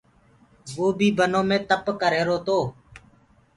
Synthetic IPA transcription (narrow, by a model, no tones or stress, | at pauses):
ʋoːbʱiːbʱənõːmẽːt̪əpkəɾeːɾoːt̪oː